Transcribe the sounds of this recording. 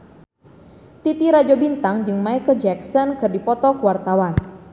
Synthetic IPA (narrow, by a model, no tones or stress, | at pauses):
t̪it̪iɾad͡ʒɔbint̪aŋd͡ʒɨŋmaɛkəd͡ʒɛksɔnkɨrdipɔt̪ɔkuwart̪awan